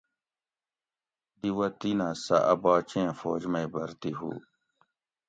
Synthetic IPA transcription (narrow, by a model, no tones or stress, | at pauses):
ɖiwɐt̪inasɐ̰ʔɐbaːt͡ɕẽːfoːd͡ʑmɐibɐɾt̪iɦṵː